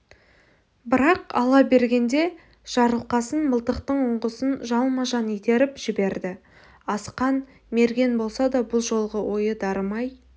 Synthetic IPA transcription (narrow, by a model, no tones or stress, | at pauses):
bɪɾɑqɑ̰lˠɑbe̞ɾɡʲe̞nd̪e̞ | ʒ̥ɑɾəlˠqɑsənməlˠt̪əqt̪əɴʊɴʁəsənʒɑlˠmɑʒɑnit̪e̞ɾɪpʒɪbe̞ɾd̪ɪ | ɑsqɑn | me̞ɾɡʲe̞nbo̞lˠsɑd̪ɑbʊlˠʒo̞lˠʁəwʔo̞jəd̪ɑɾəmɑj